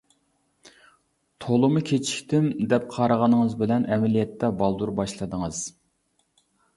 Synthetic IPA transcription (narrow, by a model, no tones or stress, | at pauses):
t̪ʰolˠmukʲʰet͡ʃʰi̥kʲt̪ɪmd̪ɛp̚qʰɑɾəʁɑnəŋəzbɪlɛnʔɛmɛlijɛt̪ʰːɛbɑlˠd̪uɾbɑʃlˠɨd̪əŋəz̥